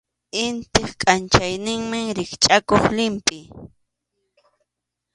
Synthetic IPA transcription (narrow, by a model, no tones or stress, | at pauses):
ɪnt̪ɪχkʼant͡ʃajnɪŋmɪŋɾɪχt͡ʃʼakoχlɪmpʼɪ